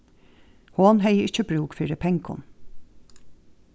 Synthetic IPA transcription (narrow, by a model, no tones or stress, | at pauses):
hoːnɦœʏəʔɪt͡ʃəbɾuːkfyːɾəpʰɛŋkʰʊ̰n